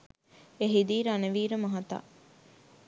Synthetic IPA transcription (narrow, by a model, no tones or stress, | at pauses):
eɦid̪iːɾaneʋiːɾəmɐɦɐt̪a̰